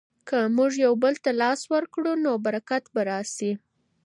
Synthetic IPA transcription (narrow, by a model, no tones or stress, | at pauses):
kəmuʒjawbəlt̪alɑswəɾkɽunobaɾakat̪baɾɑsi